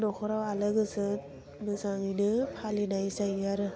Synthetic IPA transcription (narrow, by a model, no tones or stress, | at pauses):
nɔkʰɔɾawalɯɡɯsɯ | mɯsaŋinɯpʰalinajsajaɾɯ